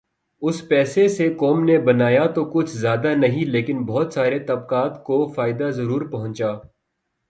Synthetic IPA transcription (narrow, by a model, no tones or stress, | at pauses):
ʊspɛːsesekɔːmnebɐnaːjat̪okʊt͡ʃʰzjaːd̪anɐɦĩleːkɪnbɔɦʊt̪saːɾet̪ɐb̚kaːt̪kofaːɪd̪azɐɾuːɾpɐɦʊ̃nt͡ʃaː